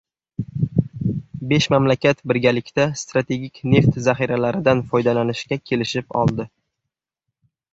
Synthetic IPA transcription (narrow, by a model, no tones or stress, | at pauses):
be̞ʃmamlakʲat̪bɪɾɡʲalɪkʲt̪ʰast̪ɾat̪ʰe̞ɡʲɪkʲne̞ft̪zaχiɾalaɾɪd̪anfɒjd̪alanɪʃkʲakʲʰe̞lɪʃɪpɒ̰lˠd̪ɪ